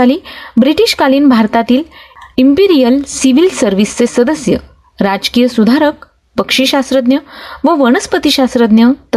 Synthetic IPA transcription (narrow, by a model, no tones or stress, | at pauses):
aliːbɾiʈiɕkaliːnbʱaɾt̪at̪iːlimpiɾijəlsiʋilsəɾʋist͡sesəd̪əsjə | ɾad͡ʑkijəsud̪ʱaɾək̚ | pəkʂiɕast̪ɾəd̪njəʋəʋəɳ̃əspət̪iɕast̪ɾəd̪njət̪ə